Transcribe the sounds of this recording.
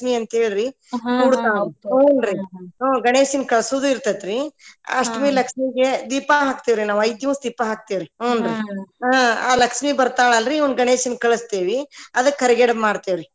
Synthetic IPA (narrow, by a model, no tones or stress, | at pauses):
ʂmiɐnt̪ɐɦeːɭɾi | nuːɽt̪aːɭoːnɾiɦoːɡɐneːsinkɐɭsud̪uiɾt̪ɐt̪ɾiɐ̰ʂʈmilɐkʂmiɡed̪iːpaɦaːk̚t̪iːʋɾinaːʋɐjd̪jimsd̪iːpːɐɦaːk̚t̪eːʋɾioːnɾiaaːlɐkʂmibɐɾt̪aːɭalɾiɐwnd̪ɡɐɳeːʃinkɐɭɐst̪eːʋiɐd̪ɐkːɐɾiɡeɽɐmaːɽt̪eʋɾi